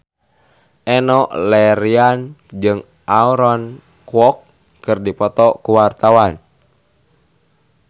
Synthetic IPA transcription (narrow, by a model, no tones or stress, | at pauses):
ʔɛnɔʔlɛɾiand͡ʒɨŋ | ʔauɾɔn | kwɔk̚ | kɨrdipɔt̪ɔkuwart̪awan